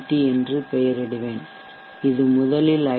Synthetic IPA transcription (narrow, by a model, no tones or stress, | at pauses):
ʈːiɛndrɯpɛjɐɾɐɽɯʋeːn | ɪðɯmʊðɐlɪlɐ